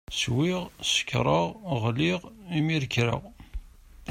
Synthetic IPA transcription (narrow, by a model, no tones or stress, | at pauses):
swiʁsə̥kːɾˤəʁʁliʁimiɾkɾə̰ʁ